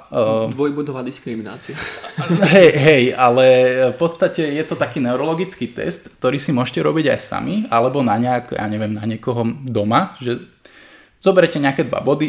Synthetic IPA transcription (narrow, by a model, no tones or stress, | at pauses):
d̪ʋɔjbud̪ɔʋaːd̪iskɾimina̰ːt͡siaɦɛjɦɛjalɛfpɔt̪st̪acɛjɛt̪ɔt̪akiːnɛuɾɔlɔɡit͡skiːt̪ɛ̰st̪kt̪ɔɾiːsimʊɔʃcɛɾɔbiɟa̰jsa̰mialɛbɔnaɲakja̰ːɲɛʋɪɛmnaɲɪɛkɔɦɔd̪ɔmaʒɛ | z̥ɔbɛɾɛcɛɲɛakɛd̪ʋa̰bɔd̪i